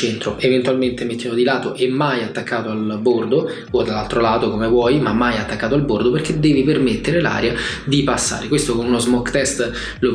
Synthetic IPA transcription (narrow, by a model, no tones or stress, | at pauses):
t͡ʃɛnt̪ɾoʔevent̪ualment̪emet̪ːjamod̪ilaːt̪oʔɛmːajat̪ːakːaːt̪oalbord̪o | od̪alːalt̪ɾolaːt̪okomevwɔjmamːajat̪ːakːaːt̪oalbord̪operked̪ːɛːvipermet̪ːeɾela̰ːɾja | d̪ipasːa̰ːɾekwest̪okonunozmɔkːt̪ɛst̪ | lo